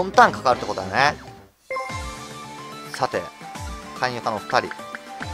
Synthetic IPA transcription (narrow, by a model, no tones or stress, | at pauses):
õnt̪ãŋ̃kḁkaɾɯ̟t̪ːekot̪ojane | sat̪e̞̰kʰãɲ̃jokanoɸɯ̥t̪aɾʲḭ